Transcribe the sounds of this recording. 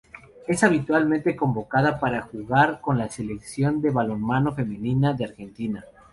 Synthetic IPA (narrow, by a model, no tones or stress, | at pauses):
e̞saβit̪walmẽnt̪e̞ko̞mbo̞kað̞apaɾaxuɣaɾko̞nlase̞le̞ksjo̞nd̪e̞βalo̞nmano̞fe̞mĩninaðeaɾxe̞nt̪ina